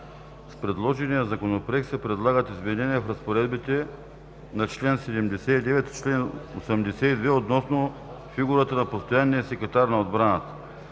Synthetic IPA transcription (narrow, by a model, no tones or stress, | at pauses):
spɾɛd̪lˠɔʒɛnijɐzɐkonopɾɛk̪sɛpɾɛd̪lˠaɡət̪izmɛnɛniɛfɾɐspoɾɛd̪bit̪ɛ | nɐt͡ʃlɛnsɛd̪ɛmd̪ɛsɛid̪ɛvɛt̪t͡ʃlɛnosɐmd̪ɛsɛid̪vɛot̪nɔsno | fiɡuɾət̪ənɐpost̪ojanːiɛsɛkɛt̪aɾnɐod̪bɾanət̪ə̥